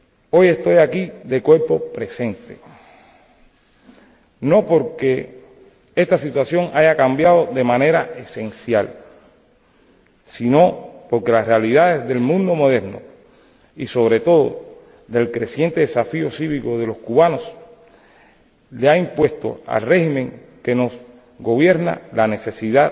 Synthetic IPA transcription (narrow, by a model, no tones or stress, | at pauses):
o̞je̞st̪o̞jakiðe̞kwe̞ɾpo̞pɾe̞se̞nt̪e̞ | no̞po̞ɾke̞ | e̞st̪asit̪wasjo̞ŋʔaʝakambjaðo̞ðe̞mãne̞ɾaʔe̞se̞nsjal | sino̞po̞ɾke̞lasrealiðaðe̞zðe̞lmũnd̪o̞mo̞ðe̞ɾno̰ | iso̞β̞ɾe̞t̪o̞ðo̰ | ðe̞lkɾe̞sje̞nt̪e̞ðesafio̞siβiko̞ðe̞lo̞skuβanos | leaimpwe̞st̪o̞̰a̰lre̞himẽ̞ŋke̞no̞s | ɡo̞βje̞ɾna̰lane̞se̞siða